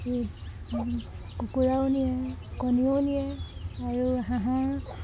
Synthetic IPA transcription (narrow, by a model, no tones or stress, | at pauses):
e | kukuɹawnijakɔnionijɛaɹuɦãɦã